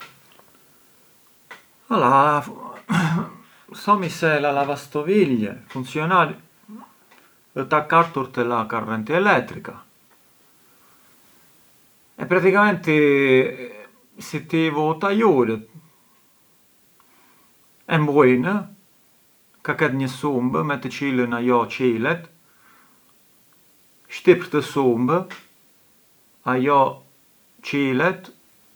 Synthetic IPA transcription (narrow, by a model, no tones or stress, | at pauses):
ala | sɔmisɛlalavast̪ɔviʎːɛ̰funsjɔnaɾ | ət̪akːat̪ːuɾt̪əlakarːɛnt̪iɛlɛt̪ːɾika | ɛ̰pːɾat̪ikamɛnt̪i | sit̪ivut̪ajuɾət̪̚ | ɛmbuinə | kakɛt̪ɲəsumbəmɛt̪ət͡ʃilənajɔt͡ʃilɛt̪ | ʃt̪ipɾt̪əsumbə | ajɔ | t͡ʃilɛt̪